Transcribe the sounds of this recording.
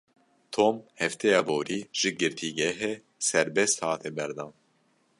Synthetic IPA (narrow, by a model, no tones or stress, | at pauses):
t̪ʰoːmhɛft̪ʰɛjɑːboːɾiːʒ̥ɨɡɨɾt̪ʰiːɡɛɦeː | sɛɾbɛst̪hɑːt̪ʰeːbɛɾd̪ɑːn